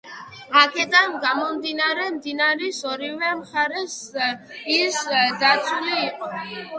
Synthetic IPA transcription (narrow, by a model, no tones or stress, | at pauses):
akʰɛd̪anɡamɔmd̪inaɾɛmd̪inaɾisɔɾivɛmχaɾɛs | isd̪at̪sʰuliːqʼɔ